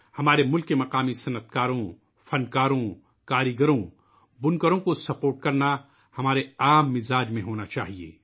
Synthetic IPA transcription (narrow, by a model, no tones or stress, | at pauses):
hɐmaːɾemʊlkːemɐqaːmisɐnət̪kaːɾõ | fɐnkaːɾõ | kaːɾiɡəɾõ | bʊnkəɾõkosɐpoːɾʈ̚kɐɾna | hɐmaːɾeaːmːɪzaːd͡ʒmẽɦoːnat͡ʃa̰ːɦiḛː